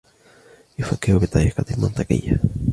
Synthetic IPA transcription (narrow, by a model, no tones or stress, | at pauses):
ifakeoβet̪ajekat̪imant̪akḛja